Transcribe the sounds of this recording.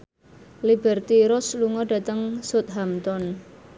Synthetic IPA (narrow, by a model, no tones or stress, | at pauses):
libɛrt̪iɾʊsluŋɔɖa̤t̪əŋsot̪̚ɦamt̪ɔn